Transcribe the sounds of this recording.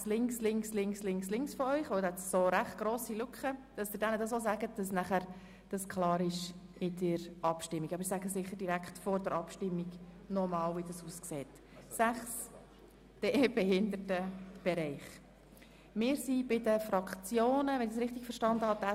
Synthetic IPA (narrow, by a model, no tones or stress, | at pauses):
slɪŋkslɪŋkslɪŋslɪŋslɪŋksfɔœʏχʋəwd̪hɛt̪soɾæχt̚ɡ̥ɾoːsilʉkχəd̥ɑsd̥̪ɪdɛnədɑsoːs̬æɡət̚d̥ɑs̬næχæɾ | d̥ɑskʰlɑːɾɪʃ | ɪdəɾʔɑpʃtɪmːiɡɑbəɾɪsæɡəsɪχːəɾd̥iɾækχtfɔɾdəɾʔɑpʃtɪmːiɡ | nɔmɑːlvidɑsuːskseːt | sæχs | d̥eːb̥ɛɦɪnd̪ətəb̥ɛɾɛɪχ | mɪːɾsibɪdəfɾɑkt͡sjoːnəʋɛnɪd̥sɾɪχt̪ɪɡ̥fəɾʃtɑnd̪əhɑd̥̪æ